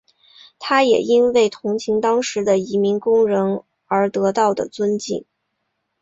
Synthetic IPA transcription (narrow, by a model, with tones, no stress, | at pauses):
t̪ʰa˥jɛ̰˨˩i˥nwe˥˩ɪt̪ʰʊ˧˥ŋt͡ɕʰi˧˥ŋt̪ɑ˥ŋʂɻ̩˧˥d̪ə˧i˧˥mi˧˥nkʊ˥ŋɻə˧˥n | ə˞˧˥t̪ɤ˧˥t̪ɑ˥˩ʊd̪ə̰˩t͡swə˥nt͡ɕḭ˥˩ŋ